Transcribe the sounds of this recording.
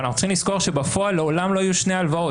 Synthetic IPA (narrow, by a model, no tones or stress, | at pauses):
naxχunt͡si̥χimlisko̞ʁʃe̞bafo̞alːeo̞lamlo̞ajuʃnealvao̞